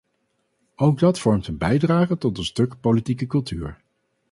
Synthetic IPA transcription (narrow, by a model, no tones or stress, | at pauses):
owɡ̚dɑtfɔɹmtənbɛjdraːχətɔt̚dəstɵkpolitikəkɵlˠty̰ːɹ